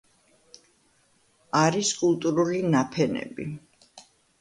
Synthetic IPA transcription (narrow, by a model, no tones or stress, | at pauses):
aɾiskʼulˠt̪ʼuɾulinapʰɛnɛ̰bḭ